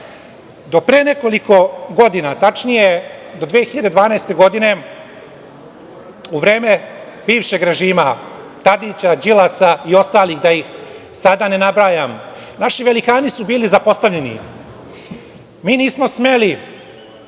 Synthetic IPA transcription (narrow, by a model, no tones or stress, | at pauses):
d̪o̞pɾeːne̞ko̞liko̞ɡo̞d̪inat̪at͡ʂnije̞d̪o̞d̪ʋeːxiʎad̪ed̪ʋaːnajst̪e̞ɡo̞d̪ine̞ | uʋɾe̞ːmebiːʋʃe̞ɡɾe̞ʒiːma | t̪ad̪it͡ɕad͡ʑilasaio̞st̪aːlixd̪aixsad̪ane̞nabɾaːjam | naʃiʋe̞likaːnisubiːlizapo̞st̪aʋʎenḭ | miːniːsmo̞sme̞li